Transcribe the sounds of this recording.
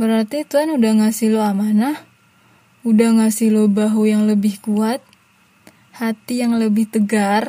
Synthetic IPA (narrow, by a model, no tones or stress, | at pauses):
bəɾart̪it̪uanudahŋasiloamanah | udahŋasilobaɦujaŋləbɪhkuat̪̚ | hat̪ijaŋləbɪht̪əɡar